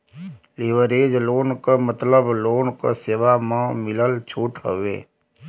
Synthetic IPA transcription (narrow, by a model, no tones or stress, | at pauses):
liʋəɾeːd͡ʒloːnkamət̪ləbloːnka̰seːʋamãmɪləlt͡ʃʰuːʈɦə̰ʋḛː